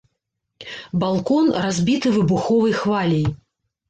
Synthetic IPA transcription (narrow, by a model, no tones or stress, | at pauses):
balˠkɔnrazʲbʲit̪ɨvɨbuxɔvɐjxvalʲɛj